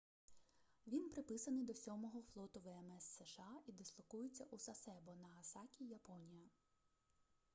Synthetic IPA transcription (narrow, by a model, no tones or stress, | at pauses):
ʋʲinpɾɪpɪsɐnɪjd̪ɔsʲɔmɔɦɔflˠɔt̪ʊʋɛɛmɛsːɛʃɑid̪ɪslˠɔkujʊt͡sʲːɐʔusɐsɛbɔnɐɦɐsɑkʲijɐpɔnʲijɐ